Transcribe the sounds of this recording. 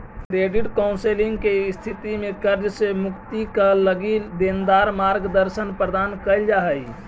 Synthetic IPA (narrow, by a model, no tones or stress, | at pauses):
kɾeɖiʈkɔʊ̃nseliŋɡkest̪ʰit̪imekəɾd͡ʒsemukt̪ikələɡid̪end̪aɾmaɾɡd̪əɾsənpɾəd̪ankəɪld͡ʒaɦəj